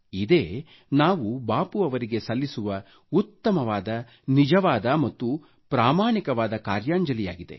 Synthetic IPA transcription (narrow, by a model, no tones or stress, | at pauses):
id̪e̞ː | naːʋubaːpuɐʋɐɾiɡe̞sɐlːisuʋɐ | ut̪ːɐmɐʋaːd̪ɐ | nid͡ʒɐʋaːd̪ɐmɐt̪ːu | pɾaːmaːɳikɐʋaːd̪ɐkaːɾjaːɲd͡ʒɐlija̰ːɡid̪e̞̰